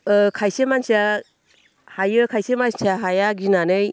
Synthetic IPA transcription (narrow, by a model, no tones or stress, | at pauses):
kʰajsemansia | hajɯkʰajsemansaɦajaɡinanɯj